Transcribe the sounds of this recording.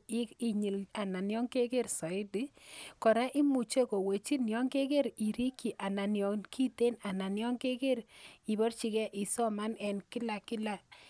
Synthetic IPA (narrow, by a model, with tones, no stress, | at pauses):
i˨ɲi˨la˨na˨njɔ˦ŋke˦ke˦rsɔ˨ɪ˦di˦kɔ˨ɾa˦ʔi˦mu˨t͡ʃe˦ko˨we˨t͡ʃi˦njɔ˦ŋke˦ke˦ɾi˨ɾi˦ki˨ʔa˨na˨njɔ˨nki˦te˦na˨na˨njɔ˦ŋke˦ke˦ɾi˨bɔ˦rt͡ʃi˦kɛ˦ʔɪ˨sɔ˦ma˦nɛ˨nkɪ˦la˨kɪ˦la˨